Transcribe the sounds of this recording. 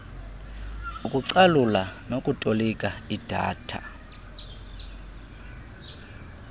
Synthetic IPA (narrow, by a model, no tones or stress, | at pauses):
ukʼuǀalulanokʼutʼolikʼaid̥ʱa̰ːtʰa̰